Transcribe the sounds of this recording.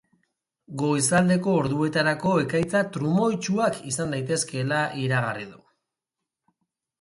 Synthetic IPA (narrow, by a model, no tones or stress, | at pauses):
ɡo̞jsald̪e̞ko̞ːɾðue̞t̪aɾako̞e̞kajt͡sat̪ɾumo̞jt͡ʃuakisand̪ajt̪e̞ske̞laʔiɾaɣariðṵ